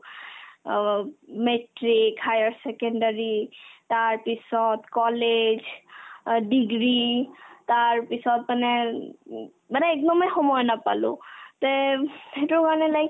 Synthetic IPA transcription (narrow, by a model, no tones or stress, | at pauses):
meʈɹikhajaɹsekenɖaɹit̪aɹpisɔt̪kɔled͡ʒ | ɖiɡɹit̪aɹpisɔt̪̚manɛ | manɛːk̚d̪ɔmexɔmɔjnapa̰lṵt̪ɔhetukaɹnɛlaj